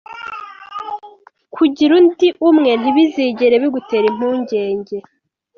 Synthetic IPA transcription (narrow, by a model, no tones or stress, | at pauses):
kʰuɟiɾuntiʔumŋe̞n̥iβiziːɟeɾeβiɡuteɾim̥uːɲɟe̞ːɲɟe̞